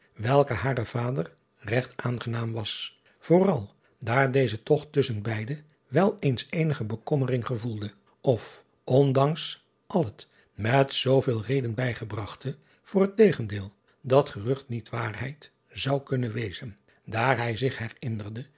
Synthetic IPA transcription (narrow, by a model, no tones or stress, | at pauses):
ʋɛlˠkəɦaːrəv̥aːdər | rɛχtaːnχənaːmʋɑs | v̥ʊːrɑlˠ | daːɹdejzətɔχtɵsənbɛjdə | ʋɛlˠejnsejnəχəbəkɔmərɪŋχəvulˠdə | ɔf | ʔɔndɑŋs | ʔɑlˠət | mɛtsowvɪːlˠrejdənbɛjχəbrɑχtə | v̥ʊːrɦətejχəndɪːlˠ | dɑtχərɵχtnitʋaːrɦɛjt | z̥ɑwkɵnəʋejz̥ən | daːɹɦɛjzɪχɦɛrɪndərdə